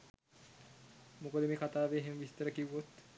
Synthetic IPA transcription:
mokəd̪əmeːkat̪aːʋeːɦemʋist̪əɾəkiwʋot̪

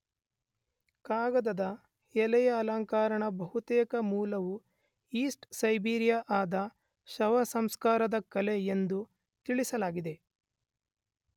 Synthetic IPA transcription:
kaːɡɐd̪ɐd̪ɐ | ɛlɛjɐːlaːŋkaːɾɐɳɐbɐɦut̪ɛːkɐmuːlɐʋu | iːsʈsɐjbiːɾijaʔaːd̪ɐ | ʃɐʋɐsɐmskaːɾɐd̪ɐkɐleend̪u | t̪iɭisɐlaːɡid̪e̞

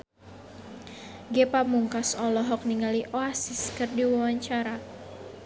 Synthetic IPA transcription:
ɡepamuŋkasɔlɔɦɔk̚niŋaliʔoasiskɨrdiwawaɲt͡ʃaɾa

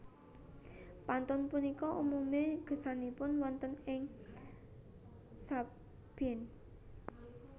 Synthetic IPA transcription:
pant̪ʊnpunikɔʔumumeɡ̥ə̤sanipʊnwɔnt̪ənɪŋ | sa | b̥ɛn

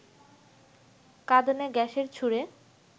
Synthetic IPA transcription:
kad̪oneɡɛʃeɾt͡ɕʰuɾe

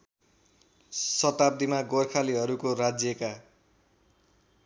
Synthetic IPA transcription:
sʌt̪ab̚d̪imaɡorkʰaliɦʌɾukorad͡zjʌka

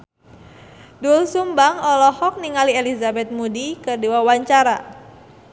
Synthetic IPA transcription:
dulsumbaŋɔlɔhɔk̚niŋalielizabɛt̪̚mudikərdiwawaɲt͡ʃaɾa̰

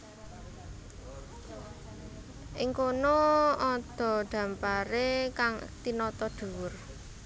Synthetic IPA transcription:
ʔɪŋkonoɔd̪̥ɔ̤ɖ̪̥a̤mpaɾekaŋt̪inɔt̪ɔd̪̥uwʊr

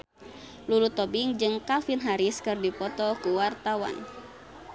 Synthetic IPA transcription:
lulut̪ɔbiŋd͡ʒɨŋkafinɦaɾiskɨrdipɔt̪ɔkuwart̪awa̰n

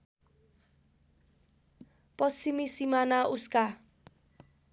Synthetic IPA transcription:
pɔsimisimanaʔuska

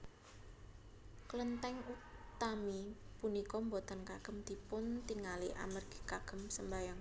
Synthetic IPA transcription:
kələnt̪ɛŋut̪amipunikɔmbot̪ɔnkaɡ̥ə̤md̪̥i̤pʊnt̪iŋaliʔa̰mərɡ̥i̥kaɡ̥ə̤msəmbajaŋ

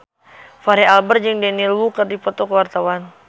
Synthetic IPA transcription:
faɾɛalbərd͡ʒɨŋdɛnilwukərdipɔt̪ɔkəwart̪awan

